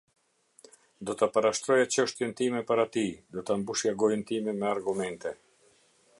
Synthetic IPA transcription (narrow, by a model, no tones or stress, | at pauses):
d̪ɔt̪apaɾaʃt̪ɾɔjat͡ɕəʃt̪jɛnt̪imɛpaɾat̪id̪ɔt̪ambuʃjaɡɔjnt̪imɛmɛaɾɡumɛnt̪ɛ